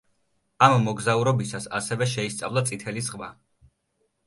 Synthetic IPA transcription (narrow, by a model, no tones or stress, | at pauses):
amːɔɡzauɾɔbisasa̰sɛvɛʃɛist̪sʼa̰vlˠat̪sʼit̪ʰɛlisʁma